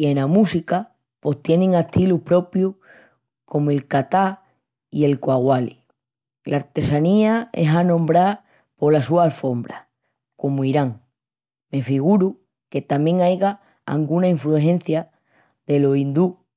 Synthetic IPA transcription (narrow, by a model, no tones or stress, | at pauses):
ienamusika | po̞ht̪je̞nẽŋeht̪ʰiluhpɾo̞pju | kʰo̞moe̞lkat̪a | ie̞lkwaɣwali | laɾt̪e̞saniaeɦanõ̞mbɾa | po̞lasuaːlfo̞mbɾa̰ | ko̞muiɾaŋ | me̞fiɣuɾu | ke̞t̪amje̞ŋajɣa | a̰ŋɡunaiɱflueɦẽ̞n̟θja | ðe̞loind̪u